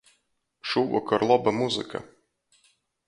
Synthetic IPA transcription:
ʃuːvɔ̰kɔɾlˠɔbɐmuzɨ̰ka̰

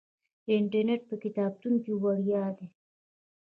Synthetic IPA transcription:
ɪɳʈəɾneʈ̚pəkɪt̪ɑːb̚t̪unkiwaɽjɑːd̪e

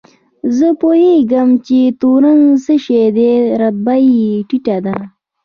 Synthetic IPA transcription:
zəpoheɡəmt͡ʃet̪uɾaŋsəʃed̪eɾɐt̪̚baiʈiʈad̪a

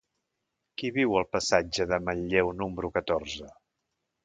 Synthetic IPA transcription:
kiβiwəlˠpəsad͡ʒəðəməʎʎːewnuməɾukət̪orzə

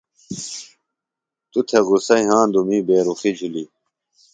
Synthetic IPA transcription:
t̪ut̪ʰeɣusɐĩɦãːnd̪umiːbeːɾuxid͡ʑʱuli

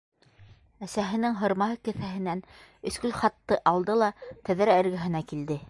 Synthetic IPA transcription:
æsæɦɘ̆nɘŋɦɤ̆ɾmɑɦɤkɘ̆θæɦɘ̆nænɵ̆skɵlχɑt̪ːɤʔɑlˠd̪ɤlˠɑt̪æðɘɾæɘ̆ɾɡæ̆ɦɘ̆nækild̪ɘ

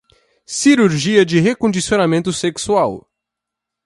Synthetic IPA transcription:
siɾuɾʒiɐd͡ʒɪɦekõnd͡ʒisionamẽnt̪ʊseksuaw

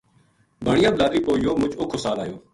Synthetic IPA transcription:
bʱəɳɪjaːblaːd̪ɾiːpoːjoːmʊt͡ʃʊkʰosaːlaːjoː

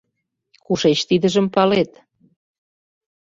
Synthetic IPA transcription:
kuʃet͡ɕt̪id̪ə̆ʒə̆mpɑlet̪

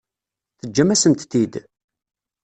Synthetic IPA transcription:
θəd͡ʒːæmæsənt̪θid̪

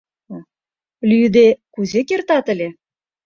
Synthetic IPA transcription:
lʲyd̪ekuzekert̪ɑt̪ə̆lʲe

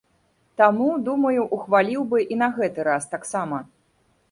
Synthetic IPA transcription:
t̪amud̪umɐjuʔuxvalʲiwbɨʔinɐɣɛt̪ɨɾast̪aksamɐ

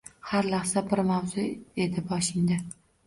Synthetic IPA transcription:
haɾlaχsabɪɾmawzʊe̞d̪ɪbɒʃɪnd̪ɪ

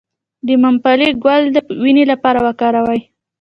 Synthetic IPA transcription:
d̪əmampaleɡwald̪əwinelapɑɾawakɑɾawaj

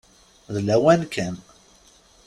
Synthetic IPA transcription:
ðlæwænkʰən

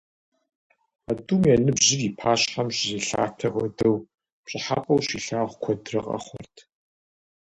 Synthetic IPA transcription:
aduːmjɛnɨbʑɪriːpʰaːɕħɐmɕzeːɬa̰ːtʰɐʔʷɔdɐw | pɕʼɪħaːpʼɐwɕiːɬaːʁʷkʷʰɔdrɨqʼɐ̰χʷɔ̰rtʰ

